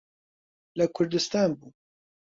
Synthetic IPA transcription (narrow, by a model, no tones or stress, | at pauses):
lɨkʰʊɾd̪ɨst̪aːnbuː